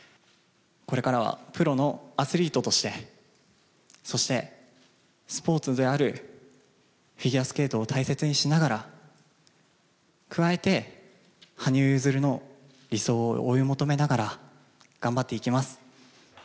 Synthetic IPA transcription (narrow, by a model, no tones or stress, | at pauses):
ko̞ɾe̞kaɾaβ̞a̰pɯ̟ɾo̞no̞asɨɾʲiːt̪o̞t̪o̞ɕi̥t̪e̞ | so̞ɕi̥t̪e̞ | sɨ̥po̞ːt͡sɨd̪e̞aɾɯ̟ | ɸʲiɡʲiasɨ̥ke̞ːt̪o̞ːt̪ʰaise̞t͡sɨɲ̟iɕinaɡaɾa | kɯ̟βae̞t̪e̞ | haɲ̟ɨzɨɾɯ̟no̞ | ɾʲiso̞ːʔojɯmo̞t̪o̞me̞naɡaɾa | ɡ̥ãmbat̪ːe̞ikʲimasɨ̥